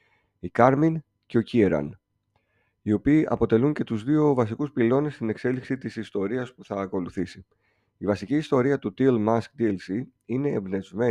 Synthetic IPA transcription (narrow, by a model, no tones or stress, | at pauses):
ikɐɾmin | ce̞o̞cieɾɐ̰n | io̞piːʔɐ̰po̞t̪e̞luɲce̞t̪uzðio̞vɐs̬ikuspilo̞ne̞st̪ine̞kse̞liksit̪isist̪o̞ɾiɐspuθɐːko̞luθisi | ivɐsiciːst̪o̞ɾiɐt̪ut̪ilmɐsk̚d̪ielsi | ine̞ːmbne̞zme̞